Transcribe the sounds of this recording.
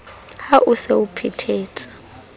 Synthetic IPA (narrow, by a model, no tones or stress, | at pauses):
haʔʊseupʰitʰeːt͡sʼḁ